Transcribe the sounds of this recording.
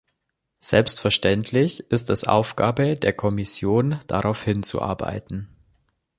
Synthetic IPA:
z̥ɛlpstfɛɐʃtɛntʰlɪçʔɪstɛsʔa̰ʊfɡ̥aːbədeːɐkʰɔmɪsjoːnd̥aʁaʊfhɪnt͡sṵʔa̰ɐba̰ɪtn̩

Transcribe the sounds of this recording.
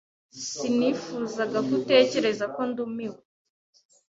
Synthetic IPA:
sinifuːzaɡakute̞ːce̞ɾe̞zako̞ndumiwe

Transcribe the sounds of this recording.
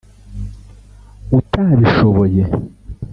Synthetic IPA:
utaβiʃoβoje

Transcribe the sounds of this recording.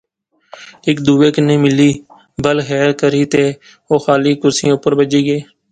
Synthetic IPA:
ɪkd̪uːeːkənẽːmɪliː | bəlxɛːɾkəɾiːt̪eː | oːxaːliːkʊɾsḭ̃ʊpəɾbəd͡ʒiːɡeː

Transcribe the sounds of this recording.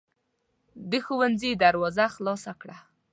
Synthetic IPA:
d̪əxuwanzid̪aɾwɑzaxlɑsakɽa

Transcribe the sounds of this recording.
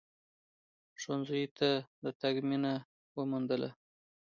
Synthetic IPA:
ʃonzujt̪ʰad̪ət̪aɡmina | wəmund̪əlʔa̰

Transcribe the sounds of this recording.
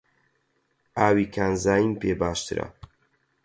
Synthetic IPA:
aːwiːkʰaːnzaːjimpeːbaːʃt̪ɨɾa̰

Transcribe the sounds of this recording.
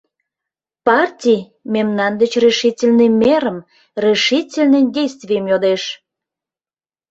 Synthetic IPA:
pɑrtʲij | memnɑnd̪ət͡ɕreʃitʲelʲnəmeɾəm | reʃitʲelʲnədʲejst̪vʲijəmjod̪eʃ

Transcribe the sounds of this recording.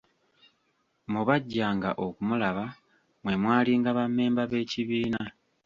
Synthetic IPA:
muβaɟːaːŋɡa̰ʔo̞kumulaβa | mwe̞mwaːliŋɡaβamːe̞ːmbaβe̞ːciβiːna

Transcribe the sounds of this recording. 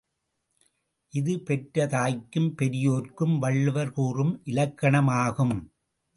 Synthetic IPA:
ʔɪðɯpɛʈɾɐt̪aːjkːɯmpɛɾɪjoːɾkɯmʋɐɭːɯʋɐɾkuːrɯmʔɪlɐkːɐɳɐmaːɣɯm

